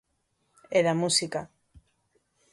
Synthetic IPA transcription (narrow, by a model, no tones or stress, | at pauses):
eðamusika